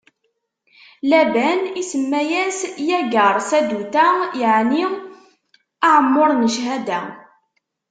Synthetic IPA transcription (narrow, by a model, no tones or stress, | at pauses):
læbænisəmːæjæsjæɡəɾˤsæd̪ut̪æjəʕni | aʕəmːoɾˤnəʃɦæd̪æ